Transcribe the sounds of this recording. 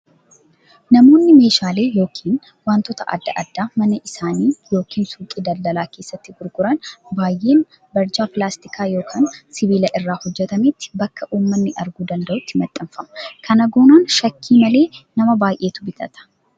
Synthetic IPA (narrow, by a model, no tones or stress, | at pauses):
nɐmo̞ːnːɪme̞ːʃaːle̞ːjo̞ːkʰiːn | waːnt̪ɔt̪ɐʔɐ̰d̪ːɐʔɐ̰d̪ːaːmɐnɐʔɪsaːniːjo̞ːkʰiːnsuːkʼɪd̪ɐld̪ɐlaːke̞ːsːɐt̪ːɪɡʊɾɡʊɾɐnbaːjʔe̞ːn | bɐɾd͡ʒaːpɪlaːst̪ɪkʰaːjo̞ːkʰaːnsɪbiːlɐʔɪrːaːhɔd͡ʒːɛt̪ɐmet̪ːɪ̥bɐkːɐʔuːmːɐnːɪʔɐɾɡuːd̪ɐnd̪ɐʔʊt̪ːɪmɐt̪ʼːɐmfɐmɐkʰɐnɐɡoːnaːnʃɐkʰːiːmɐle̞ːnɐmɐbaːjʔe̞ːt̪ʊbɪt̪ʼɐ̰t̪ɐ̥